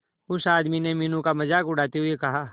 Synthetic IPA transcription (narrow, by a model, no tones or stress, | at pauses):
ʊsaːd̪mineminũkamɐzaːkʊɽ̤aːt̪eɦʊekɐɦaː